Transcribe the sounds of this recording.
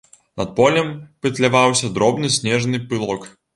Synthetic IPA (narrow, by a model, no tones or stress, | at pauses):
nɐt̪̚pɔlʲɛmpɨt̪lʲavawsʲɐd̪ɾɔbnɨsʲnʲɛʐnɨpɨlˠɔk